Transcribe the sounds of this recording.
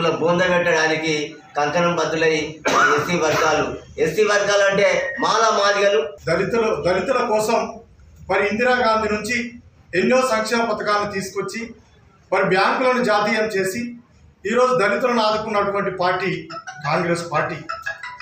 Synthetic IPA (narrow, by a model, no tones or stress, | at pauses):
lɐboːnd̪ɐbɛʈːɐɽaːniki | kɐŋkɐnɐmbɐd̪ːulɐjimaːesiːʋɐɾɡaːluesiːʋɐɾɡaːluɐɳʈe̞ːmaːlaːmaːliɡɐluɐɾit̪ɐld̪ɐɾit̪ulɐkɔːsɐm | mɐɾiind̪iɾaːɡaːnd̪ʱinuɲt͡ʃi | eɲːoːsɐŋkʂɛːmɐpɐt̪ɐkaːlnut̪iːsu̥kuʋɐt͡ʃːi | mɐɾibʱjaːŋkulɐnud͡ʒaːt̪iːjɐmt͡ʃe̞ːsi | iːɾo̞ːd͡ʒud̪ɐɾit̪ulɐnaːd̪ukunːɐʈuʋɐɳʈipaːɾʈiːkaːŋɡɾe̞ːspaːɾʈiː